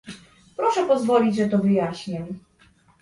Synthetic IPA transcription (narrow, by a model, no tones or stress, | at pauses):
pɾɔʂɛpɔzvɔlʲid͡ʑʐɛt̪ɔvɘjaɕɲɛm